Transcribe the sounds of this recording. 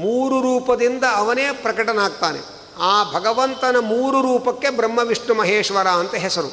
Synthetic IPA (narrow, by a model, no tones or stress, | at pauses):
muːɾuɾuːpɐd̪ind̪ɐːʋɐneːpɾɐkɐʈɐnaːɡ̚t̪aːnḛ | aːbʱɐɡɐʋɐnt̪ɐnɐmuːɾuɾuːpɐkːebɾɐmːɐʋiʂɳumɐɦeːʂʋɐɾaːɐnt̪ɐɦɛsɐɾṵ